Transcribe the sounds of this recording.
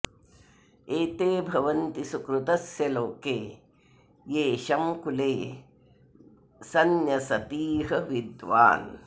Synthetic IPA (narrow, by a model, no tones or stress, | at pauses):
eːt̪eːbʱɐʋɐnt̪isukɾut̪ɐsjɐloːkeː | jeːʃɐmkuleː | sɐnjɐsɐp̪iːɦɐʋid̪ʋa̰ːn